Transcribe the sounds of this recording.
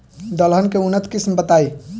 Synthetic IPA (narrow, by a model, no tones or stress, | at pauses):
d̪əlɦənkeunət̪kismbət̪ai